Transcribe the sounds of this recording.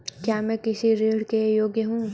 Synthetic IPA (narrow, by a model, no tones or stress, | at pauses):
kjaːmɛ̃ːkɪsiɾeːɽkejoːɡjəɦũː